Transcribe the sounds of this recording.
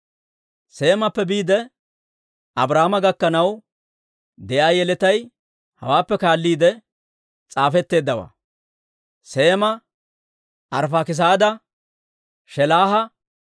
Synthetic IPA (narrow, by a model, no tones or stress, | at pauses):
se̞ːmɐpːɛbiːd̪ɛ | ʔɐbɾaːmɐɡɐkːɐnɐw | d̪ɛʔaːjɛlɛt̪ɐj | hɐ̰waːpːɛkaːlːiːd̪ɛ | t͡sʼaːfɛt̪ːe̞ːd̪ːɐwa̰ː | se̞ːmɐ | ʔɐɾfaːkɪs̬aːd̪ɐ | ʃɛlaːɦɐ